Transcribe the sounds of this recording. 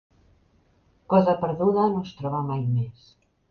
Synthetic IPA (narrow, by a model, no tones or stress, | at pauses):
kɔzəpəɾðuðənost̪ɾɔβamajmes